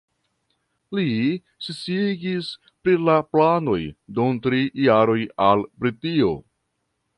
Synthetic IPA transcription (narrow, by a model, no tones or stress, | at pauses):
li | sit͡siiɡis | pɾilaplano̞jduntɾijaɾo̞jalbɾitio̞̰